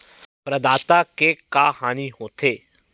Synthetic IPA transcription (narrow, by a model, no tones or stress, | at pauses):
pɾɐd̪aːt̪akekaːhaːniɦoːt̪eː